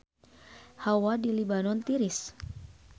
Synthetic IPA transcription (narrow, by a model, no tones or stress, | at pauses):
hawadilibanɔnt̪iɾis